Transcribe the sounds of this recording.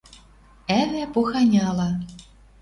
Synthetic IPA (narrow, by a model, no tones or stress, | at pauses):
æβæpuxɑnʲɑlɑ